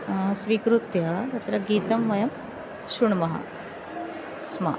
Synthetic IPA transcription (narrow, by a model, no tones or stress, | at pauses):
sʋikɾut̪jɐd̪ɐt̪ɾɐɡiːt̪ɐmʋɐjɐm | ɕuɳmɐɦa̰ | sma̰